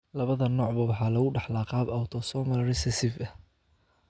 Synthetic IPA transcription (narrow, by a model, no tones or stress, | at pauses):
lɐβɐðɐnɔːʕbɐwɑħɑːlɐɣʊɖɑħlaːqɑːbɐwt̪ʰɔsɔːmɐlrɪsɛsɪfɐh